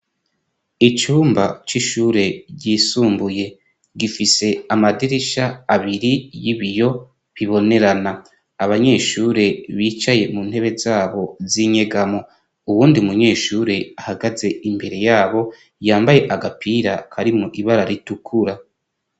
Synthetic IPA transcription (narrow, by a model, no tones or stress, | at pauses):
it͡ʃuːmbat͡ʃiʃuːɾe̞ɟiːsuːmbuje̞ | ɡifise̞amadiɾiʃaaβiɾijiβijo̞ | βiβo̞ne̞ɾanaː | βaɲe̞ːʃuɾe̞βiːt͡ʃaje̞muːn̥he̞βe̞zaːβo̞ziɲe̞ɡamo | uβuːndimuɲe̞ːʃuːɾe̞ahaɡaze̞imbe̞ɾe̞jaːβo̞ | jaːmbaje̞ʔaɡapʰiɾakʰaɾimŋoʔiβaɾaɾitukʰuɾa